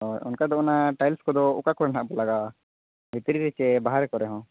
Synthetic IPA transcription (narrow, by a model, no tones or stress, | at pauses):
ɔṵnkad̪ɔunaʈajlskɔd̪ɔṵkakɔɾanɦaʔbɔlaɡa | bit̪ɾiɾɛt͡ʃɛbaɦaɾɛkɔɾɛɦɔ̃